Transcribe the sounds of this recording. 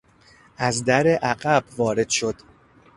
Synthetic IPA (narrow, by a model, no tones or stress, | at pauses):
ʔæzd̪æɾeʔæɢæbvɒːɾe̞d̪̥ʃo̞d̪̥